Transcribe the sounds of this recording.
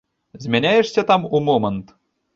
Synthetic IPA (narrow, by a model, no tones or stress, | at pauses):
zʲmʲenʲæjĕʂsʲet̪ɑmumomɤ̆nt̪